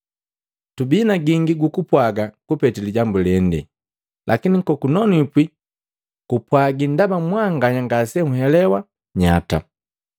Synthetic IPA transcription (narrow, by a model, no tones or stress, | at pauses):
tubinaɡiŋɡiɡukupwaɡakupɛtiliɟambulɛndɛ̰ | lʔakinikɔkunɔnipwi | kupwaɡindabamwaŋɡaɲaŋɡasɛŋuɦɛlɛwa | ɲa̰ta̰